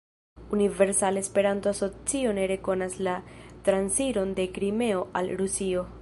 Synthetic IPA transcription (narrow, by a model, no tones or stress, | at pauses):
unive̞ɾsalespe̞ɾantoaso̞t͡sio̞ne̞ɾe̞ko̞naslatɾansiɾo̞nde̞kɾime̞o̞ʔalɾusio̞